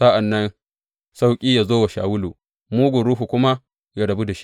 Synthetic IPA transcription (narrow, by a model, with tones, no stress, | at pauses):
sa˦ʔa˨nːɐ˦n | sa˦wkʲʼiː˦ja˨zoː˦wa˨ʃa̰ː˨wʊ˦luː˨ | muː˦ɡʷʊ˨ɾuː˦ɦu˨kʷʊ˦ma˦ | ja˦dɐ˨bu˦da˨ʃi̥˦ʔ